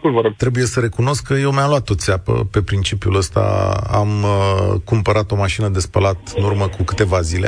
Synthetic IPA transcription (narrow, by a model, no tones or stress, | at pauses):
vəɾot̪ɾe̞buje̞səɾe̞kuno̞skkːəjewmjamluat̪ːo̞t̪sʲapə̰pe̞pɾint͡ʃipiuləst̪a̰a̰mkumpəɾat̪o̞maʃinəd̪e̞spəlat̪ɨnurməkukɨt̪e̞vazilḛ